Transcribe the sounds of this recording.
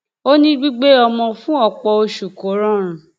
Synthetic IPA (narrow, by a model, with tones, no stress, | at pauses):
o˦nĩ˦ɡ͡bi˦ɡ͡be˦ɔ˧mɔ̃˧fũ˦ɔ˦˨k͡pɔ˧o˧ʃu˨ko˨˦ɾɔ̃˦˨ɾ̃ũ˨